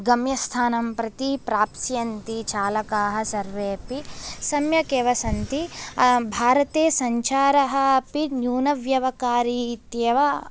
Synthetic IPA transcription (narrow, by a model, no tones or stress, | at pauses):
ɡɐmjɐst̪ʰaːnɐmpɾɐt̪ipɾaːpsjɐnt̪it͡ʃaːlɐkaːɦɐ̆sɐɾʋeːɐpisɐmjɐkeːʋɐsɐnt̪ibʱaːɾɐt̪eːsɐɲt͡ʃʰaːɾɐɦɐ̆ɐpinjuːnɐʋjɐʋɐkaːɾit̪jɐʋɐ